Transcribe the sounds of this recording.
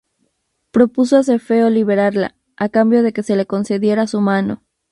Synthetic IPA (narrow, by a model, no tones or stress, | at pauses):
pɾo̞pus̬oas̬eɾfe̞o̞liβ̞e̞ɾaɾla̰ | akambjo̞ðe̞ke̞se̞le̞ko̞nse̞ðje̞ɾasumano̞̰